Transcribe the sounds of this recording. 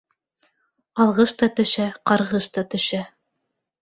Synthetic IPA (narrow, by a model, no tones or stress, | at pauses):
ɑlˠʁɤʃt̪ɑt̪ɵ̆ʃæqɑɾʁɤʃt̪ɑt̪ɵ̆ʃæ